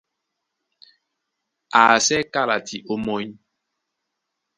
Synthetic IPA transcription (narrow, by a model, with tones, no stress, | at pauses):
a˨sɛ˦ka˦la˨tʰi˨ʔo˦mɔ˦ɲ